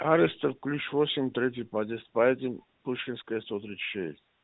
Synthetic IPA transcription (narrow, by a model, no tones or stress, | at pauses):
aɾɪst̪əfklʲut͡ʃvosʲɪmʲt̪ɾʲet̪̬ʲɪjpad̪ʲest̪̚paɛt̪ʲɪm | puʂkʲinskəjəst̪ot̪ɾi̥ʃɛ̰sʲtʲ